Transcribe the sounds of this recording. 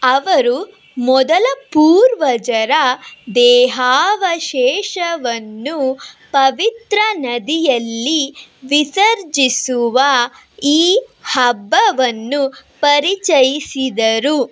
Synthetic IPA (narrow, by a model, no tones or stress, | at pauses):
ɐʋɐɾu | mɔd̪ɐlɐpuːɾʋɐd͡ʒɐɾɐd̪ɛːɦaːʋɐʃɛːʃɐʋɐnːupɐʋit̪ɾɐnɐd̪ijɐlːiʋisɐɾd͡ʒisuʋɐ | iːhɐbːɐʋɐnːupɐɾit͡ʃɐjisid̪ɐɾu